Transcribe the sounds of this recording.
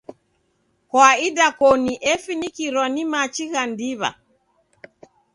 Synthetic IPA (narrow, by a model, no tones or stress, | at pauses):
kwaidakɔniʔɛfinikiɾɔnimat͡ʃiɣandiβa̰